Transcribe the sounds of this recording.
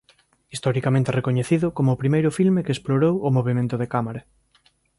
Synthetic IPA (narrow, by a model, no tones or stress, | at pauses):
ist̪ɔɾikamẽnt̪erekoɲeθiðʊkomʊːpɾimejɾʊfilmekeːsploɾowʊmoβemẽnt̪ʊðekamaɾɐ